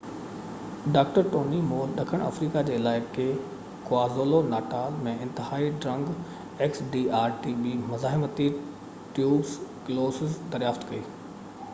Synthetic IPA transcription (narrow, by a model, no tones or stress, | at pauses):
ɖaːk̚ʈəɾʈoːnimoːlɗɐkʰəɽ̃ɐ̰fɾiːkad͡ʑeːɪlaːɪke | koaːzoːlonaːʈaːlmẽɪ̃nt̪ɪhaːiɖɾɐ̃ŋɡ | eːksɖiːaːɾʈibimʊzaːɦɪmət̪i | ʈjuːbskloːsɪzd̪ɐɾjaːft̪kɐiː